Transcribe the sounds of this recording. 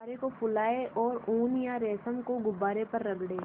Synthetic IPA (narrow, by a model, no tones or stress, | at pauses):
ɾekopʊlaːeʔɔːɾuːnjaɾɛːsəmkoɡʊbaːɾepɐɾːɐɡɽeː